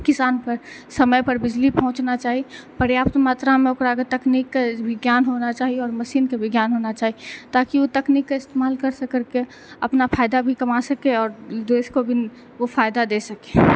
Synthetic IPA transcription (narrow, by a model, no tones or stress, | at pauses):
kɪsaːnpəɾ | səməjpəɾbɪd͡ʒlipəɦʊ̃t͡ʃnat͡ʃaːɦipəɾjaːpt̪maːt̪ɾamẽokɾaket̪ɐknikːebʱɪɡjaːnɦonat͡ʃaːɦieɔːɾməʃiːnkebʱɪɡjaːnɦonat͡ʃaːɦiet̪aːkiot̪ɐknikːaɪst̪eːmaːlkəɾsəkəɾke | ɐpnapʰaːjd̪abʱikɐmasɐkeɔːɾd̪eːskobʱi | ofʰaːjd̪ad̪esəke